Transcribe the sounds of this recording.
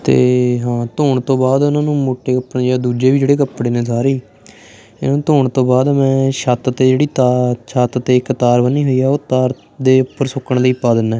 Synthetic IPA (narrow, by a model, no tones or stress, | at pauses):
t̪ḛːɦãːt̪oːɳt̪õːbaːd̪ʊnãːnũːmoːʈeːkəpnːjaːd̪uːd͡ʒeːʋiːd͡ʒeːɽeːk̬əpːɽeːnẽːsaːɾeː | ɪnaũːt̪oːɳt̪õːbaːd̪mɛ̃ːʃat̪t̪eːd͡ʒeːɽiːt̪aʃat̪t̪eːɪkt̪aːɾbənːiːɦoiːɛːoːt̪aːɾ | d̪eːʊpːəɾsʊkːəɳləiːpaːd̪ɪnːɛː